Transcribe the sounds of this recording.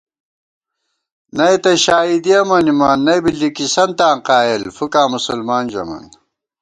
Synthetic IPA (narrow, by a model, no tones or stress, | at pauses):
nɐet̪ɐɕaːid̪iɐmɐnimaːnːɐjbilːikisɐnt̪aːqaːelfukaːmusulmaːnd͡ʑɐ̰ma̰n